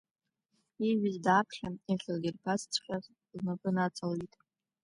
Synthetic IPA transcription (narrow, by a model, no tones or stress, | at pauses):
iɥizdapʰχʲaiχʲalɡʲɪrpʰast͡sʷʰχʲʷʼᶣaz | znapʼɨnat͡sʰalitʼ